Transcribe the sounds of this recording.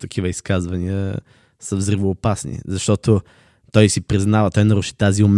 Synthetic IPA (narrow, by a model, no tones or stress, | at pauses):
t̪ɐkʰivəiskazvɐniə | səvzɾivoːpasnḭzɐʃt̪ɔt̪o | t̪ɔjsipɾiznavɐt̪ɔjnɐɾuʃit̪aziʊm